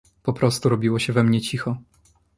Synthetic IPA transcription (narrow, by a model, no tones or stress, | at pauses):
pɔpɾɔst̪uɾɔbʲiwɔɕɛvɛmɲɛt͡ɕixɔ